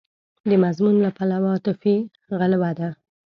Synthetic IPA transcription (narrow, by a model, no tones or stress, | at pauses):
d̪əmazmunlapalawat̪ʊfi | ɣalawad̪a